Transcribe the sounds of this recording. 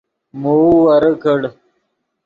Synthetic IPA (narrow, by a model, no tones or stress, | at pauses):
muwɐɾəkʰəɽ